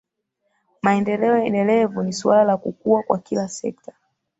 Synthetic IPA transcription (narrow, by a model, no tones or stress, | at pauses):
maɛndɛlɛɔjɛndɛlɛvunisualalakukuakwa̰kilasɛ̰ktḁ